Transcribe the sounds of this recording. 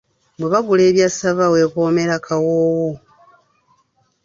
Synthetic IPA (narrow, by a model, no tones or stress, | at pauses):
bweβaβule̞ːβjasaβawe̞koːme̞ɾakʰawoːwo